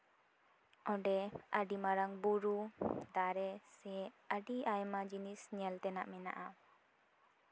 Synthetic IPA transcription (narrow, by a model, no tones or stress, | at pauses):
ɔ̃ɖɛəɖimaɾaŋbuɾud̪aɾɛsɛ | əɖiajmad͡ʒinisnɛəlt̪ɛnaʔmɛna̰ʔa